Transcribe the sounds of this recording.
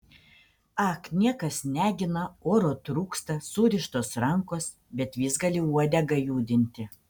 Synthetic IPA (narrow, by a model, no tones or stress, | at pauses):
ɑknʲiɛkɐsnʲæːɡʲɪnɐoːɾoːt̪ɾuːkst̪ɐsuːɾʲɪʃt̪oːsɾɐŋkoːs | bʲɛt̪ʋʲiːsɡɐlʲɪuɔd̪ʲɛɡɐjuːd̪ʲɪnʲt̪ʲɪ